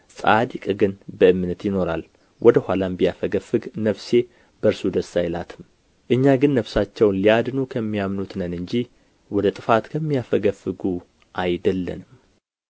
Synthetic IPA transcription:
sʼad̪ikʼɡɨnbəɨmːɨnət̪jɪno̞ɾa̰l | wɔd̪əhʷalambijafəɡəfɨɡnəfse̞ | bəɾsud̪əsːajla̰t̪ʰɨm | ʔɨɲːaɡɨnːəfsat͡ʃːɛwnliad̪nukʰəmːijamnut̪nənɨɲd͡ʒi | wɔd̪ət̪ʼɨfat̪kʰəmːijafəɡəfɨɡu | ʔajd̪əlːə̰nɨm

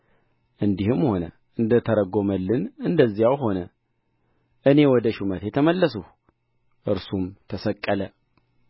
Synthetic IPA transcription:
ʔɨnd̪ihɨmho̞nə̰ | ʔɨnd̪ət̪ʰəɾəɡo̞məlːɨnɨnd̪əzːijawɦo̞nə | ʔɨne̞wɔd̪əʃumət̪jɛt̪ʰəməlːəsuh | ʔɨɾsumt̪ʰəsəkʼːələ

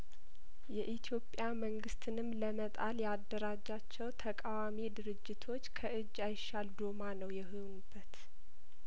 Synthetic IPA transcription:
jɛʔit̪ʰjo̞pʼjaməŋɡɨst̪ʰɨnɨmləmət̪ʼaljad̪ːəɾad͡ʒːat͡ʃːɛwt̪ʰəkʼawamid̪ɨɾɨd͡ʒːɪt̪ʰo̞t͡ʃːkʰəʔɨd͡ʒːajɪʃald̪omanəwjɛɦɨwnub̥ːət̪

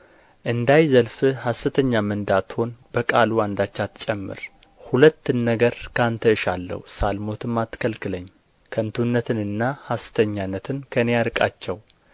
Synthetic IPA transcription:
ʔɨnd̪ajzəlfɨhasɨt̪ʰəɲːamɨnd̪at̪ho̞nbəkʼaluand̪at͡ʃːat̪ːt͡ʃʼɛmːɨ̰ɾ | hulət̪ːɨnːəɡəɾkʰant̪ʰəɨʃalːə̰husalmo̞t̪ʰɨmːat̪ːkʰəlkʰɨləɲː | kʰənt̪ʰunːət̪ʰɨnɨnːahasɨ̥t̪ʰəɲːanːət̪ʰɨnkʰənejaɾɨkʼat͡ʃːɛw

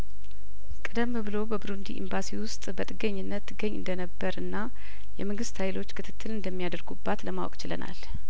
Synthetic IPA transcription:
kʼɨd̪əmːbɨlo̞bəbɾund̪ḭʔḭmbasiwʊst̪ʼbət̪ʼɨɡəɲːɨnːət̪ʰːɨɡːəɲːɨ̰nd̪ənəbːəɾɨnːa | jɛməŋɡɨst̪hajlo̞t͡ʃːkʰɨt̪ʰɨt̪ʰːɨlɨnd̪əmːijad̪əɾɡubːat̪ləmawɔ̰kʼt͡ʃɪlə̰na̰l

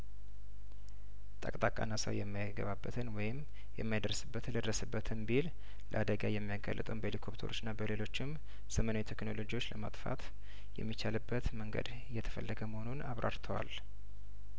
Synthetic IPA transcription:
t̪ʼə̰kʼt̪ʼakʼa̰nːasə̰wjɛmːijaɡə̰βabːət̪ʰɨnwɔjɪm | jɛmːajad̪əɾsɨbːət̪ʰɨnlːəd̪ɾəsɨbːət̪ʰɨnbil | lə̰ʔad̪əɡajɛmːijaɡa̰lːət̪ʼəwnbəelikʰo̞pt̪ʰəɾʔo̞t͡ʃːɪnːabəle̞lo̞t͡ʃːɪm | səmənawjt̪ʰekno̞lo̞d͡ʒiwo̞t͡ʃːləmat̪ʼfa̰t̪ | jɛ̰mːit͡ʃalɨbːət̪məŋɡə̰d̪ | jɛt̪ʰə̥fəlːəɡəməho̞nunaβɾʔa̰ɾt̪ʰəwa̰l

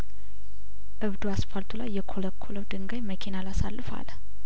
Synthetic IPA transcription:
ʔɨβd̪uasfalt̪ʰulajːɛkʰoləkʰːoləwd̪ɨŋɡajməkʰinalasalːɨfa̰l

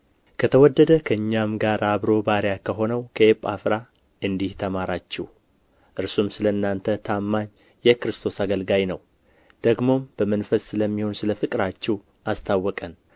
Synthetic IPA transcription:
kʰət̪ʰəwɔd̪ːəd̪əkʰəɨɲːamɡaɾaβɾo̞baɾjakʰəɦo̞nəwkʰəepʼːa̰fɾa | ɨnd̪iht̪ʰəmaɾat͡ʃːɛw | ʔɨɾsumsɨləɨnːant̪ʰət̪ʰamːaɲ | jɛkɾɨst̪ʰo̞saɡəlɡajnəw | d̪̥əɡmo̞mb̥əmənfəsːɨləmːiho̞nsɨləfɨkʼɾat͡ʃːɛw | ʔast̪ʰawːɔkʼən

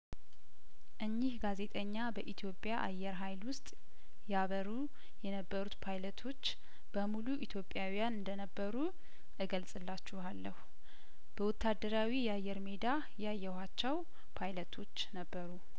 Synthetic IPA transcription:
ʔɨɲːihɡaze̞t̪ʼəɲːabəʔit̪ʰjo̞pʼjaʔa̰jːɛɾɦajlwʊst̪ʼ | jaβəɾu | jɛnəbːəɾut̪pʰajlət̪ʰo̞t͡ʃː | b̥əmuluʔit̪ʰjo̞pʼːjawijanɨnd̪ənəbːəɾu | ʔɨɡəlsʼɨlːat͡ʃːuhalːəhu | b̥əwɔt̪ʰːad̪ːəɾawijɛajːɛɾme̞d̪a | jajːɛhat͡ʃːɛw | pʰajlət̪ʰo̞t͡ʃːnəbːəɾu

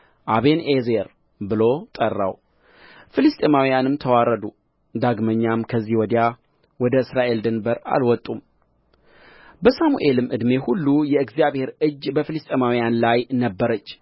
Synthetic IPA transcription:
ʔaβe̞nezeɾ | bɨlo̞t̪ʼərːa̰w | fɨlɨst̪ʼemawijanɨmt̪ʰəwaɾəd̪u | d̪aɡməɲːamkʰəzːiwɔd̪ja | wɔd̪əɨsɾaʔe̞ld̪ənbəɾa̰lwɔt̪ʼːum | bəsamṵʔe̞lɨmʔɨd̪me̞hulːujɛɨɡzjaβhe̞ɾɨd͡ʒːbəfɨlɨst̪ʼemawijanlajnəbːəɾət͡ʃː

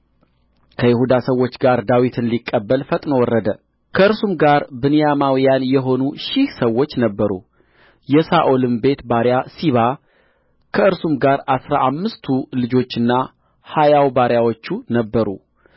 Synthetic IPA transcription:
kʰəjɪhud̪asəwːo̞t͡ʃːɡaɾd̪awit̪ʰɨnlikʼːəbːəlfət̪ʼnəwɔrːəd̪ə | kʰəɨɾsumɡaɾbɨnɨjamawijanjɛɦo̞nuʃɪhsəwːo̞t͡ʃːnəbːəɾṵ | jɛsaʔo̞lɨmbe̞t̪baɾjasiβa | kʰəɨɾsumɡaɾasɾaʔamːɨst̪ʰulɨd͡ʒo̞t͡ʃːɨnːa | hajawbaɾjawot͡ʃːunəbːəɾṵ

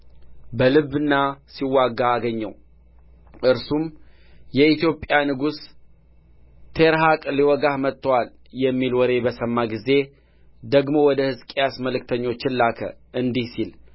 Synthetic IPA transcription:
bəlɨβːɨnːasiwːaɡaːɡəɲːəw | ʔɨɾsum | jɛit̪jo̞pʼjanɨɡus | t̪ʰeɾɦakʼliwɔɡahmət̪ʼːəwal | jɛmːilwɔɾe̞bəsəmːaɡize̞ | d̪əɡmo̞wɔd̪əhɨzkʼijasməlɨk̚t̪ʰəɲːo̞t͡ʃːɪnlakʰə̰ʔɨnd̪ihsil

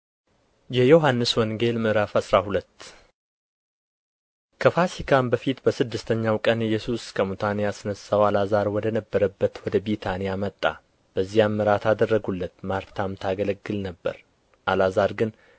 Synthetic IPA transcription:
jɛjoɦanːɨswɔŋɡe̞lmɨɾafasɾahulət̪ː | kʰəfasikʰambəfit̪bəsɨd̪ːɨst̪ʰəɲːawkʼənɪjːɛsuskʰəmut̪ʰanejasnəsːawalazaɾwɔd̪ənəbːəɾəbːət̪wɔd̪əbit̪ʰanijamət̪ʼːa̰ | b̥əzːijamːɨɾat̪ʰad̪ərːəɡulːət̪maɾt̪ʰamt̪ʰaɡələɡːɨlnəbːə̰ɾ | ʔalazaɾɡɨn

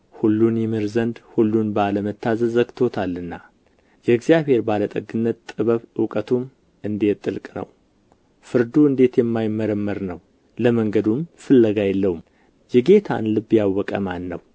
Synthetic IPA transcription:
hulːunjɛmɨɾzənd̪hulːunbaləmət̪ːazəzəɡt̪ʰo̞t̪ʰalːɨnːa | jɛɨɡzijaβhe̞ɾbalət̪ʼəɡɨnːət̪t̪ʼːɨβəβɨwkʼət̪ʰum | ɨnd̪et̪ʼːɨlkʼnə̰w | fɨɾd̪uɨnd̪e̞t̪jɛmːajmːəɾəmːəɾnəw | ləməŋɡəd̪umfɨlːəɡajɛlːəhum | jɛɡe̞t̪ʰa̰nlɨbjawːɔkʼə̰manːəw

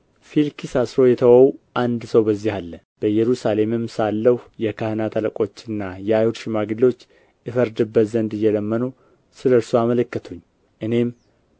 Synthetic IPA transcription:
filkʰisasɾo̞jɛt̪ʰəwəwʔand̪səwbəzːihalːə | b̥əjɛɾusale̞mɨmsalːəhjɛkʰahɨnat̪ʰaləkʼo̞t͡ʃːɨnːajɛajhud̪ʃɪmaɡɨlːo̞t͡ʃː | ɨfəɾd̪ɨbːət̪zənd̪ɨjːɛləmːənu | sɨləɾsuamələkːət̪ʰuɲː | ʔɨne̞m

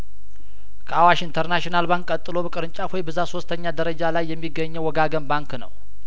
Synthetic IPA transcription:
kʰəawaʃint̪ʰəɾnaʃnalbaŋkʼːət̪ʼːɨlo̞bəkʼɨɾɨnt͡ʃʼawɔjbəzaso̞st̪ʰəɲːad̪əɾəd͡ʒalajːɛmːiɡːəɲːɛwɔɡaɡənbaŋknə̰w

